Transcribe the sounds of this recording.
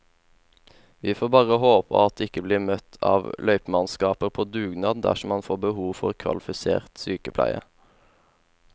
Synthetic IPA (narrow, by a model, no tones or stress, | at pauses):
ʋiːfoːbɑːʁəhoːpʰɑ̰ɑt̪̚d̪eːɪkəbliːmœt̪ʰɑ̰ːʋlʔœʏpmɑnskɑːpəʁpʰoːd̪ʉːɡnɑːd̪̩d̪æ̰ʃɔmɑnfoːbəhuːʋfɔʁkʰʋɑ̰lɪfɪsḛːʁt̪syːkəpʰlæ̰ɪə̰